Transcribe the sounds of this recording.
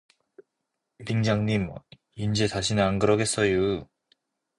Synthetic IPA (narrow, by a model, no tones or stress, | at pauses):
ibiŋd͡ʑaŋɲim | ind͡ʑesaɕʰineaŋɡɯɾʌɡe̞s͈ʌju